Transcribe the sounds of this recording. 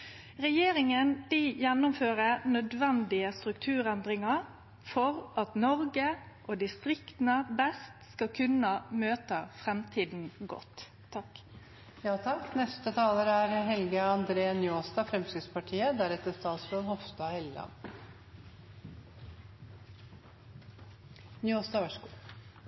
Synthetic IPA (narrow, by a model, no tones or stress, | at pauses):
ʁɛjeːɾɪŋəndijɛnːʊmføːɾənœd̪ʋɛnd̪ɪəst̪ɾʉkt̪ʰʉːɾɛnd̪ɾɪŋɑɾ | fɔʁʔɑt̪nɔɾɡəʔoːd̪ɪst̪ɾɪkt̪nəbɛst̪skɑkʰʉnəmøːt̪əfɾɛmt̪ʰiːd̪n̩ɡɔ̰t̪ʰː | ɑk | jɑːt̪ʰɑkːnɛst̪ət̪ʰɑːləɾæɾɦɛlɡəɑnd̪ɾeːənjoːst̪ɑfɾɛmsɪspɑʈʰiːəd̪æɾɛt̪ːəst̪ɑːt̪sɾoðhɔft̪ɑhɛllɑ̰n | njoːst̪ɑːʋæʂkuːlə